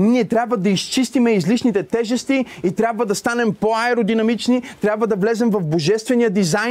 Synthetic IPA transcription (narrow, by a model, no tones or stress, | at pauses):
niɛt̪ɾʲabvəd̪ɐist͡ʃist̪imɛizliʃnit̪ɛt̪ɛʒɛst̪iit̪ɾʲabvəd̪ɐst̪anɛmpoaɛɾod̪inɐmit͡ʃnit̪ɾʲabvəd̪ɐvlɛzɛmvɐvboʒɛst̪vɛnijəd̪iza